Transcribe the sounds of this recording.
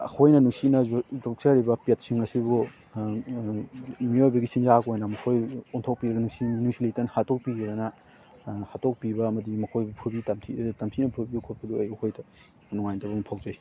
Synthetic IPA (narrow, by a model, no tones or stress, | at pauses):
a̰hojnɐnuŋsinɐdɔk̚sɐɾibɐpet̚siŋɐsibu | miojbɐɡisinzakojnɐmɐkʰojuntʰok̚piɾɐɡɐnuŋsinuŋsilejtɐnhatok̚piɡɐdɐnɐ | hatok̚pibɐːmɐdimɐkʰojbupʰubitamtʰitamtʰinɐpʰubikʰubɐduɐjokʰojdɐ | nuŋajntɐbumɐpʰawzej